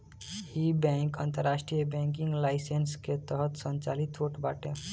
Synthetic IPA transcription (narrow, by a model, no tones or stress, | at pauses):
jibɛ̃ŋkənt̪əɾːasʈɾijəbɛ̃ŋkĩŋɡlaɪsensket̪əɦət̪sənt͡ʃalit̪ʰoʈbaʈe